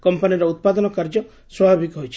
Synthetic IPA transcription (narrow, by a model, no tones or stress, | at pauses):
kɔmpaniɾɔut̪̚pad̪ɔnɔkaɾd͡ʒɔ | swabʱabʱikɦɔjt͡ʃʰi̥